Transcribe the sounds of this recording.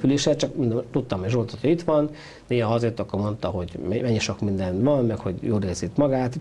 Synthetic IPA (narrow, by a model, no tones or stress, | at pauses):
yleːʃɛt͡ʃɒkmind̪t̪ut̪ːɒmeʒolt̪ot̪oit̪ʋɒn | d̪eːɦɒzeːrt̪ɒkːormo̞nt̪ɒɦo̞ɟmɛmɛɲːiʃo̞kmind̪ɛnʋɒmːɛkho̞ɟjoːleːzit̪mɒɡaːt̪